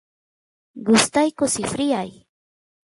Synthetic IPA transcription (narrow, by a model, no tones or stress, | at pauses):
ɢʊst̪ajkʊsɪfɾɪaj